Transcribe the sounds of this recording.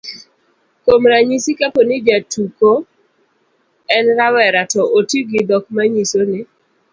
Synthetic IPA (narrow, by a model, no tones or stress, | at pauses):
komɾaɲisikaponɪd͡ʒatuko | ɛnɾawɛɾatɔʔotiɡɪd̪ɔk̚maɲisonɪ